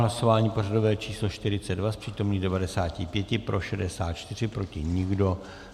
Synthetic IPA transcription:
laso̞vaːɲiːpo̞rado̞vɛːt͡ʃiːslo̞ʃt̪ɪɾɪt͡sɛdvaspr̝̥iːt̪o̞mniːdɛvadɛsaːcɪpjɛcɪpɾʔo̞ʃɛdɛsaːt̪̚t͡ʃt̪ɪr̝ɪpɾo̞cɪɲɪɡdo̞

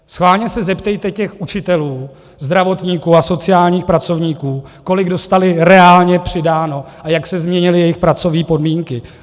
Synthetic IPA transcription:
sxvaːlɲɛsɛzɛpt̪ɛjt̪ɛcɛxʔut͡ʃɪt̪ɛluː | zd̪ɾavo̞t̪ɲiːkuːaso̞t͡sɪaːlɲiːxpɾat͡so̞vɲiːkuːko̞lɪɡdo̞st̪alɪɾɛaːlɲɛpr̝̥ɪdaːno̞ | ajaksɛzmɲɛɲɪlɪjɛjɪxpɾat͡so̞vɲiːpo̞dmiːŋkɪ

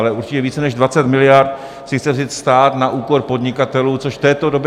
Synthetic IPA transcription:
lɛuɾt͡ʃɪcɛviːt͡sɛnɛʒdvat͡sɛt̪mɪlɪjaɾt̪ | sɪxt͡sɛvzɪt̪st̪aːt̪naʔuːko̞ɾpo̞dɲɪkat̪ɛluːt͡so̞ʃft̪ɛːt̪o̞do̞bɛ

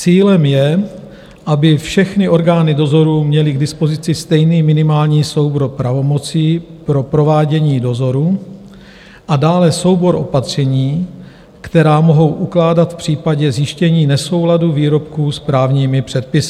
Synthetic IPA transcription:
t͡siːlɛmjɛ | ʔabɪfʃɛxnɪʔo̞ɾɡaːnɪdo̞zo̞ɾuːmɲɛlɪɡdɪspo̞zɪt͡sɪst̪ɛjniːmɪnɪmaːlɲiːso̞wbɾopɾavo̞mo̞t͡siːpɾo̞pɾo̞vaːɟɛɲiːdo̞zo̞ɾu | ʔadaːlɛso̞wbo̞ɾʔo̞̰pat̪r̝̥ɛɲiː | kt̪ɛɾaːmo̞ɦo̞wʔuklaːdat̪fpr̥iːpaɟɛzjɪʃcɛɲiːnɛso̞wladuviːɾo̞p̚kuːspɾaːvɲiːmɪpr̝̥ɛt̪̚pɪsɪ

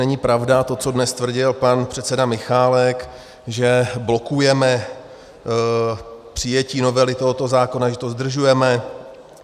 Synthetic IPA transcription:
ɛɲɪpɾavdat̪o̞t͡sodnɛst̪vr̩ɟɪlpanpr̥ɛt̪sɛdamɪxaːlɛk | ʒɛblo̞kujɛmɛ | pr̝̥ɪjɛciːno̞vɛlɪt̪o̞ɦot̪o̞zaːko̞naʒɛt̪o̞zd̪r̩ʒujɛmɛ

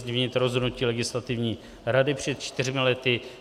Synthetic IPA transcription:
ɲɪvɲɪt̪ɾozɦodnuciːlɛɡɪslat̪ɪvɲiː | ɾadɪpr̝̥ɛt̪̚t͡ʃt̪ɪr̝mɪlɛt̪ɪ

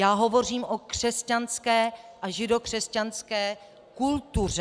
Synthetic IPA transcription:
jaːɦo̞vo̞r̝iːmʔokr̥ɛscanskɛːʔaʒɪdo̞kr̥ɛscanskɛː | kult̪ur̝ɛ

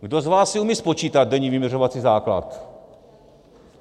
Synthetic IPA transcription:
ɡdozvaːsːɪumiːspot͡ʃiːt̪ad̪̚dɛɲiːvɪmʲjɛrovat͡siːzaːkla̰t̪

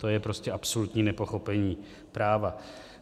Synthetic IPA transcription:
t̪o̞jɛpɾo̞scɛʔapsolut̪ɲiːnɛpo̞xo̞pɛɲiː | pɾaːva

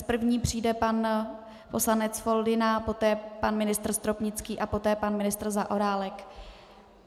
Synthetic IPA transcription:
pr̩vɲiːpr̝̥iːdɛpan | po̞slanɛt͡sfo̞ldɪnapo̞t̪ɛːpanmɪnɪst̪r̩st̪ɾopɲɪt͡skiːʔapo̞t̪ɛːpanmɪnɪst̪r̩zaʔo̞ɾaːlɛk

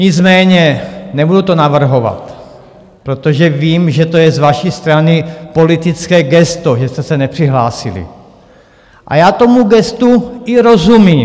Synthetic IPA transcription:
ɲɪd͡zmɛːɲɛnɛbudut̪o̞navr̩ɦo̞va̰t̪ | pɾot̪oʒɛviːmʒɛt̪o̞jɛzvaʃiːst̪ɾanɪpo̞lit̪it͡skɛːɡɛst̪oʒɛst̪ɛsɛnɛpr̝̥iɦlaːsḭlḭ | ʔa̰jaːt̪o̞muɡɛst̪uiɾo̞zumiː

